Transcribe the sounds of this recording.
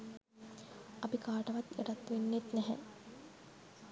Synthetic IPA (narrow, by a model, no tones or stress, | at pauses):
ɐpikaːʈɐʋat̪eʈat̪ːʋenːet̪nɛɦɛ̰